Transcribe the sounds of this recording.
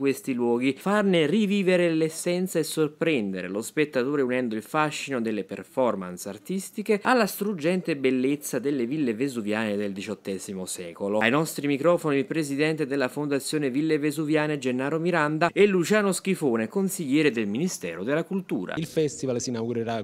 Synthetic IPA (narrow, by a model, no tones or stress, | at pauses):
kwest̪ilwɔːɡifarneriviːveɾelesːɛnt̪saesːorpɾɛnd̪eɾḛlospet̪ːat̪oːɾeunɛnd̪oilfaʃːinod̪elːepḛrfɔrma̰nsa̰rt̪ist̪ikealːast̪ɾud͡ʒɛnt̪ebelːet̪sːad̪elːevilːevezuvjaːned̪eld̪it͡ʃɔt̪ːɛːzimosɛ̰ːkoloajnɔst̪ɾimikɾɔːfonilpɾezid̪ɛnt̪ed̪elːafond̪at̪sːjoːnevilːevezuvjaːned͡ʒenːaːɾomiɾand̪aelːut͡ʃaːnosk̟ifoːnekonsiʎːɛːɾed̪elminist̪ɛ̰ːɾod̪elːakult̪uːɾa̰ilfɛst̪ivalsinaɡuɾeɾa